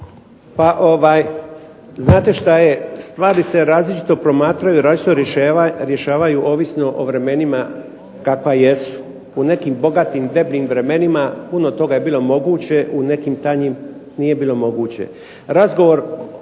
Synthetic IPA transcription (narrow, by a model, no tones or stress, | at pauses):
paʔoʋaːj | znaːt̪e̞ʃt̪ajest̪ʋaːɾise̞ɾaːzlit͡ʃi̥t̪o̞pɾo̞maːt̪ɾajuiɾaːlit͡ʃi̥t̪oɾje̞ʃaːʋajuʔo̞ːʋisno̞ʔoʋɾe̞me̞nima | kakʋaje̞su̥ | une̞kiːmbo̞ɡat̪imd̪e̞bʎiːmʋɾe̞me̞nimapunot̪o̞ɡaje̞biːlˠo̞mo̞ɡuːt͡ɕe̞ʔune̞kimt̪aɲimnije̞biːlo̞mo̞ɡuːt͡ɕe̞̰ | ɾazɡo̞ʋo̞ɾ